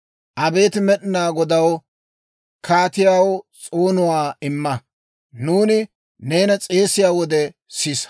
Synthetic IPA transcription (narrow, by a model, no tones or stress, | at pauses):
ʔɐbe̞ːt̪ɪmɛɗɪnaːɡɔd̪ɐw | kʰaːt̪ɪjaːwt͡sʼoːnʊwaːɪmːɐ | nuːnɪ | ne̞ːnɐt͡sʼe̞ːsɪjaːwɔd̪ɛsɪs